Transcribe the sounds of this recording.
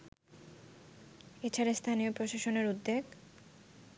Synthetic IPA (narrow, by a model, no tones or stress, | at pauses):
et͡ɕʰaɾast̪ʰaniopɾoʃaʃoneɾud̪ːeɡ